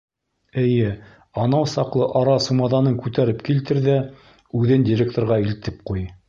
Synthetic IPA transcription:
ɘ̆jɘ | ɑnɑwsɑqlˠɤʔɑɾɑsumɑðɑnɤŋkʉt̪æɾɘpkilt̪ɘɾðæ | ʉðɘndʲɪɾʲekt̪oɾʁɑilt̪ɘp̚quj

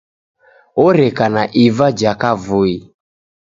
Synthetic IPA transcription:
ɔɾɛkanaʔivad͡ʒakavui

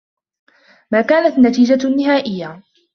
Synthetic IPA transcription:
maːkaːnat̪nat̪iːd͡ʒanːɪɦaːʔɪjːa

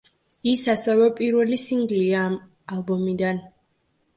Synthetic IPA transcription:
isasɛvɛpʼiɾvɛlisiŋɡliaːm | alˠbɔmid̪an

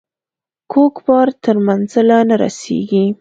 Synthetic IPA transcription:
kʰokbɑɾt̪əɾmanzalanaɾa̰sḛɡi

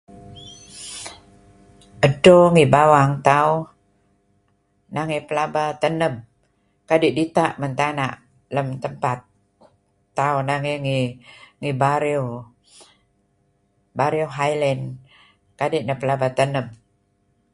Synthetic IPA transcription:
ədoŋibawaŋt̪au | naŋipəlabat̪ənəm | kadiʔdit̪aʔmənt̪anaʔ | ləmt̪əmpat̪̚ː | aunaŋeŋiŋibaɾiu | baɾiuɦajlɛn | kadiʔnapəlabat̪ənəm

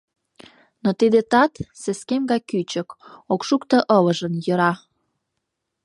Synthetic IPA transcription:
not̪id̪et̪ɑt̪seskemɡɑjkyt͡ɕəkokʃukt̪əʔələʒənjə̆ɾɑ

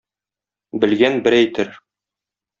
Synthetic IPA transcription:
bɘ̆lɡænbɘɾæjt̪ɘɾ

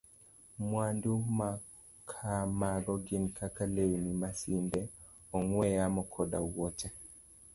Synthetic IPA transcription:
mwanduma | kʰamaɡɔɡɪnkʰakalewnimasindɛ | ɔŋwɛjamɔkʰɔda̰wɔt͡ʃɛ

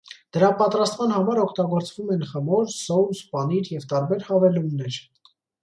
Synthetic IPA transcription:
d̪̥əɾɑpɑt̪ɾɑst̪mɑnhɑmɑɾɔkʰt̪ɑɡɔɾt͡svumɛnχəmɔɾsɔwspɑniɾjɛvt̪ɑɾbɛɾhɑvɛlunːɛɾ

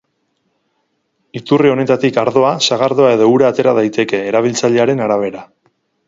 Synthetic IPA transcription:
it̪urio̞ne̞t̪at̪ikaɾðo̞asaɣ̞aɾðo̞ae̞ðo̞uɾaːt̪e̞ɾað̞ajt̪e̞ke̞ːɾaβ̞ilt͡saʎe̞aɾe̞naɾaβ̞e̞ɾa

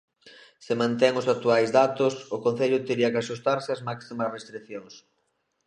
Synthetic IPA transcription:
sɪmãnt̪ɛŋʊsak̚t̪uajzd̪at̪ʊsʊkon̟θeʎʊt̪eɾiɐkɪaʃust̪aɾsɪazmaksimɐsrest̪ɾikθjoŋs

